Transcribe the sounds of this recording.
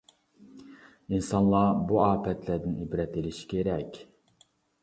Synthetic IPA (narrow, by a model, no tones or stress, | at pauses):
insɑnlˠɑbuɑːpʰɛt̪ʰlæd̪ɪnibɾɛt̪elɪʃi̥kʲʰeɾɛkʲ